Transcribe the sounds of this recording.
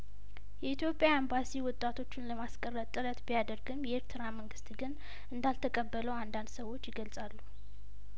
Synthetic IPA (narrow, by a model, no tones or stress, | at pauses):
jɛit̪ʰjo̞pʼjambasiwɔt̪ʼːat̪ʰo̞t͡ʃːɪnləmaskʼərːət̪ʼːɨɾət̪bijad̪əɾɡɨmjɛeɾt̪ʰɨɾaməŋɡɨst̪ɡɨn | ʔɨnd̪alt̪ʰəkʼəbːələwand̪and̪səwo̞t͡ʃːjɪɡəlsʼalːu